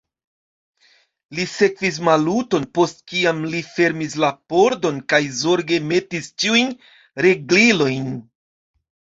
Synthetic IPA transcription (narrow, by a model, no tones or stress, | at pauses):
lise̞kvis̬maluto̞npo̞stkiamlife̞ɾmislapo̞ɾdo̞nkajzo̞ɾɡe̞me̞tist͡ʃiujn | ɾe̞ɡlilo̞jn